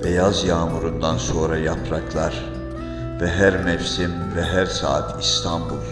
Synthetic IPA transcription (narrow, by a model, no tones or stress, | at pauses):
vɛjɑzjɑːmuɾund̪anso̞ːɾɑjɑpʰɾɑkʰlˠɑɾ | vɛɦæɾmɛfsim | vɛɦæɾsa̰ːt̪ʰist̪ʰɑmbulˠ